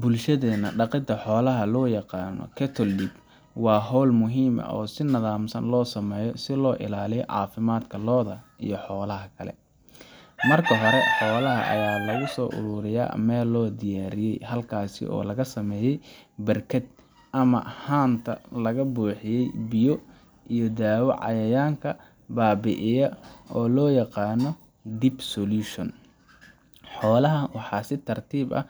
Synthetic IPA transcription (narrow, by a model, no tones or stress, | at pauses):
bʊlʃɐðɛːnɐɖɑqɪd̪ʰɐħɔːlɐɦɐlɔːjɑqɑːnɔ̰kʰɛt̪ʰɔlɖib | wɑːɦɔːlmʊɦiːmɐ̰ʔɔːsɪnɐðaːmsɐ̰nlɔːsɐmɛːjɔsɪlɔːʔɪ̰laːlɪjʕɑ̰ːfɪmaːd̪kʰɐlɔːðɐʔḭjɞħɔːlɐɦɐkʰɐlɛ̰ | mɐrkʰɐɦɔɾɛħɔːlɐɦɐ̰ʔɐ̰jaːlɐɣʊsɔːʔʊ̰ɾʊːɾɪja̰ːmɛːlːɔːd̪ɪjaːɾɪjɛjɦɐlkʰaːsɪ̰ʔɔ̰ːlɐɣɐsɐmɛːjɛjbɐrkʰɐd̪̚ | ʔɐmɐ̰haːnt̪ʰɐ̰lɐɣɐbuːħɪjɛjbɪjɔ | ʔijɔd̪aːwɐ̰ʕɑ̰jɐjaːŋkʰɐ | baːbɪʔɪjɐɔːlɔːjɑqɑːnɔ | d̪ibsɔluːʃɔn | ħɔːlɐɦɐwɑħɑːsɪt̪ʰɐrt̪ʰiːbɐ̰